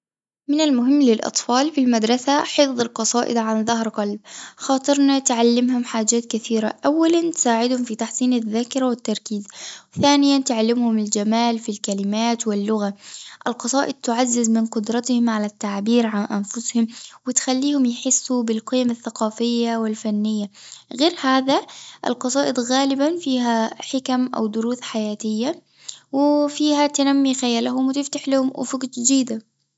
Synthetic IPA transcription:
mɪnalmʊɦɪmːlɪlʔɑ̰t̪ˤfɑːlfilmad̪ɾˤɑsaħɪfðˤɑlqɑsˤɑːʔɪ̰d̪ʕanðˤaɦɾqɑlb̚xɑːt̪ˤɨɾnat̪ʕalːɪmɦʊmħaːd͡ʒaːt̪kaθiːɾa̰ʔawːalant̪saːʕɪd̪hʊmfit̪aħsˤiːnaðːaːkɪɾawɪt̪ːɑɾˤkiːzwθaːnɪjant̪ʊʕalːɪmhʊmɪld͡ʒamaːlfilkalɪmaːt̪wɪlːʊɣaʔɪlqɑsˤɑːʔɪd̪̚t̪ʊʕazːɪzmɪnqʊd̪ɾˤɑt̪hɪmʕalat̪ːaʕbiːɾʕanʔanfʊshʊmwɪt̪xalːiːhʊmjħɪsːubɪlqiːamaθːaqɑːfɪjːawɪlfanːɪjːaɣeːɾhaːðaʔɪ̰lqɑsˤɑːʔɪd̪ɣaːlɪbanfiːɦaħɪkamʔa̰wd̪ʊɾuːθħajaːt̪ɪjːa | wɪfiːhat̪ɪnamːixajaːlaɦʊmwɪt̪ɪft̪aħlahʊmʔʊfʊkd͡ʒd̪iːd̪a

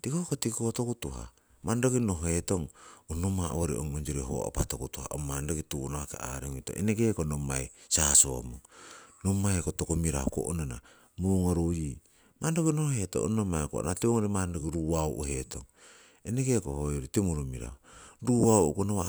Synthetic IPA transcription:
tikohkotikotokutuɦa̰ | mandokino̞ɦoetoŋonomaʔoɾḭʔo̰ŋond͡ʒoɾiɦo̰o̰patokutuha̰ʔo̰mandokitunaakḛa̰ɾeŋuito̰eneɡekonoma̰jsaso̰muŋnomajkotokomiɾa̰hoko̰ʔonana̰ | muŋoɾoji | mandokinohheto̰o̰nomajko̰ʔo̰nateoŋoɾemandoɡiɾuwaoʔuhetʰoŋ | eneɡeko̰hojoɾitemuɾomiɾa̰hoɾuaoʔṵkonoβa

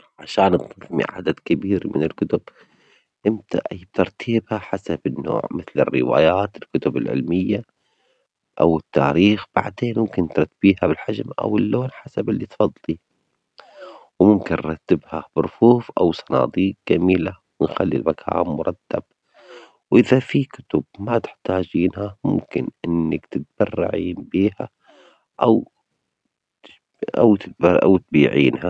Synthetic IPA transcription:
ʕaʃaːnt̪ˤɨfmḭʕa̰d̪ad̪kɪbiːɾmɪnɪlkʊt̪ʊb̥ | ʔɪmt̪a̰ʔb̚t̪ɑɾˤt̪ʰiːbhaħasabɪnːo̰ːʕmɪθlɪ̰rːɪwa̰ːjaːt̪ɪlkʊt̪ʊbɪlʕɪ̰lmɪjːa | ʔawɪt̪ːaːɾiːxb̥a̰ʕd̪eːnmʊmkɪnt̪ɾˤɑt̪ːbiːhabɪlħad͡ʒmʔa̰wɪlːoːnħasabɪlːit̪fɑd̪ˤːli | wmʊmkɪnɾˤɑt̪ːɪbhab̥ɪɾfuːfʔawsˤɑnɑ̰ːd̪ˤiːkd͡ʒamiːla | wɪnxalːḭlmakʰa̰ːmmʊɾˤɑt̪ːab̥̚ | wʔɪðafikʊt̪ʊb̚mat̪ɪ̥ħt̪aːd͡ʒiːnhamʊ̰mkɪnʔɪnːakt̪ɪt̪̚b̥ɑrˤːɑ̰ʕiːnbiːha̰ | ʔaw | ʔa̰wt̪ɪʔa̰wt̪̚biːʕiːnha

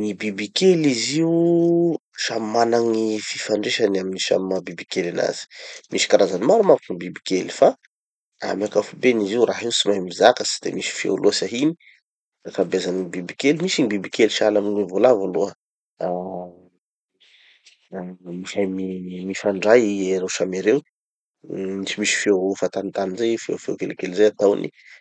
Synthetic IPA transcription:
nibibikeliziu | ʃamimanaŋififaɳɖ͡ʐeʃanaminiʃa̰mimabibikelana̰z̥i̥misi̥kaɾazanimaɾumavkinibibi̥kelifa | a̰miakafubeniziwraɦiusimajmizakasi̥d̪ḛmisi̥fḭuluəsaɦini̥ | akabezanibibikelimisinibibikeliʃialaminevolavoluə | miʃajmimifaɳɖ͡ʐajieɾewʃameɾew | misimisi̥fiefat̪anit̪aninzejfḛwfewkelikelizejat̪awnḭ

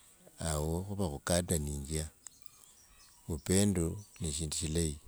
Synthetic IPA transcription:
awoxuβaxukadaniːŋɡia | βupe̞ːndoneʃiːnduʃilaji

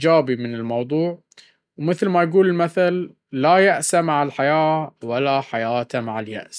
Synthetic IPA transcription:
d͡ʒaːbimɪnɪlmɑwðˤuːʕ | wmɪθlmajɡuːlɪlmaθalː | ajaʔsamaʕalħajaːwalaħajaːt̪amaʕalja̰ʔs

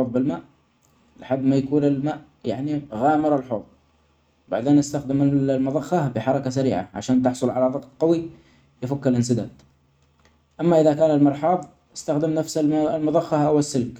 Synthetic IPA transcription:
oːðˤbɪlmaːʔ | laħab̪ːmajakuːnɪlmaːʔ | jaʕniɣaːmɪɾˤɪlħoːt̪ˤ | ba̰ʕd̪eːnʔast̪axd̪ɪmɪlmʊðˤɑxːabɪħɑɾˤɑkas̬aɾḭːʕa̰ʕa̰ʃaːnt̪ɪħsˤʊlʕalaðˤɑqt̪̚ˤqɑwi | jɪfakːɪlʔɪns̬ɪd̪a̰ːd̪ | ʔamːaʔɪðakaːnɪlmɑɾˤħɑːðˤ | ʔɪst̪axd̪ɪmnafsalmʊðˤɑxːahʔawɪsːɪlk

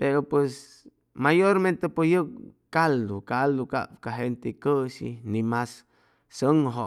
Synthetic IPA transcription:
peɾopwes | majoɾmẽnt̪epojək̚kald̪okald̪oka̰pkaɦent̪ekəʃḭnimas | səŋɦoʔ

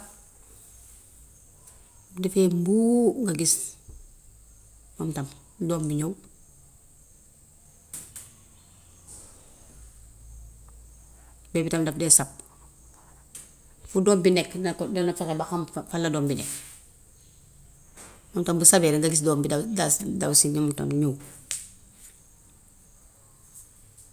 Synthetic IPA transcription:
defembuːŋɡaɡis | mamtam | dɔːmbiɲow | bɛːbitamdafdɛsap̚ | fudɔːmbineknadenafekebaxamfalːadoːmbinek̚ | momtambusabɛːɾandaɡis̬doːmbiadasdasiomta̰mɲow

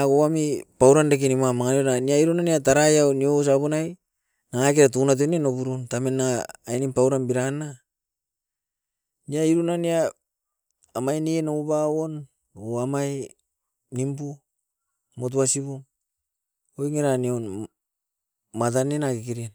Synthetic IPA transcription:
ɡoamipawɾandek̬inimamaŋanionaniaiɾunaniataɾajawnio̞s̬aβonaj | naŋak̬eɾatunat̬onenoβuɾuntamenːaŋaːjnimpawɾanbiɾana | niaiɾunania | majnienoubawon | oamaj | nimpu | mot̬uasiβuŋ | ojŋeɾanion | mat̬anenakekiɾien

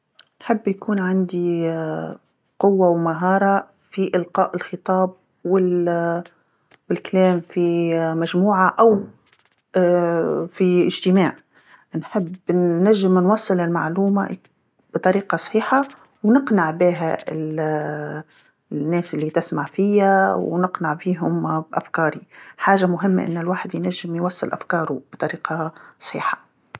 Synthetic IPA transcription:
nħɪbːjkuːnʕand̪i | qʊwːawmaɦɑːɾˤɑ | fiʔɪlqɑːʔɪlxət̪ˤɑːb̚ | wɪ | wɪlklɛːmfimæʒmuːʕaʔaw | fiɪʒt̪ɪmaːʕ | nħɪbnæʒːɪmnwɑsˤːɨlɪlma̰ʕluːma̰ | b̥t̪ˤɑɾiːqɑsˤħiːħa | wnɪqnaʕbiːɦæɪ̰l | nːɛːsʔɪlːit̪ɪsmaʕfiæwnɪqnaʕbiːɦʊmbʔa̰fkɑːɾiħaːʒamʊɦɪmːa̰ʔɪ̰nːɪlwaːħɪd̪jnæʒːɪmjwɑsˤːɨlʔa̰fkɑːɾub̥t̪ˤɑɾiːqʰɑsˤħḭːħɑ̥

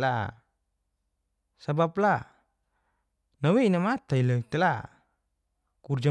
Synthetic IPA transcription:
la̰ | sabapla | naweinamat̪ailəkt̪ɛla | kurd͡ʒa

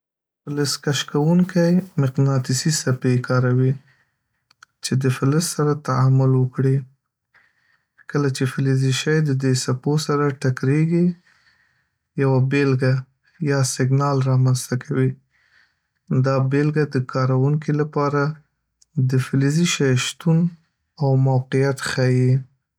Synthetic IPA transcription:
fɪləskaʃkawuŋkajmɪqnɑt̪ɪsisapekɑɾawi | t͡ʃed̪əfɪləssaɾat̪aamʊlwəkɽi | kəlat͡ʃefɪleziʃajd̪əd̪esaposaɾaʈakɾeɡi | jawabelɡa | jɑsɪɡnɑlɾɑmanst̪akʰawi | d̪ɑbelɡad̪əkʰɑɾawuŋkilapɑɾa | d̪əfɪleziʃajʃt̪un | awmawqijat̪xaji

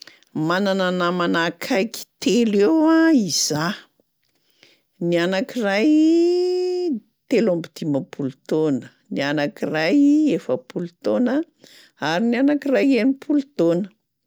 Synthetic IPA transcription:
manananamanakʰajki̥t̪elewãiz̥a | nianakiraj | t̪elombid̪̥imapʰulut̪onə | nianakirajefəpulut̪onə | aɾinianakirajenipʰulut̪onə̥

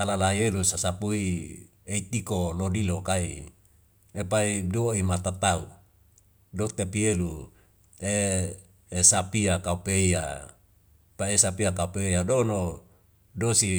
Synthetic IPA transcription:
alalajelusasapui | eit̪ikolodilokaḭ | epaiduoimat̪at̪au | dot̪epielu | e | esapiakaupeia̰ | paesapiakaupeadono | dosi

